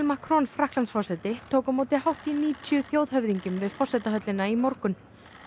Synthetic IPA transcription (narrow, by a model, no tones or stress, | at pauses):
lmakɾɔnfɾahklansfɔrsɛt̪ɪt̪ʰowkʏmoːt̪ɪhawht̪iniːt̪ʰjʏθjowðɦœvðiɲcʏmvɪðfɔr̥sɛt̪aɦœt̪lɪnaimɔɾkʏn